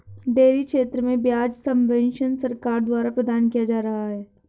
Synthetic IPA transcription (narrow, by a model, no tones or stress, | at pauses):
ɖeːɾikʃeːt̪ɾəmẽbjaːd͡ʒsɐ̃mʋɛ̃ːnʃənsɐɾkaːɾd̪waːɾapɾɐd̪aːnkijad͡ʒaːɾɐɦaɦɛː